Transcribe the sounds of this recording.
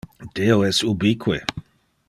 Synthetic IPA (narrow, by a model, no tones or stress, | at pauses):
d̥eoɛsubikʰwḛ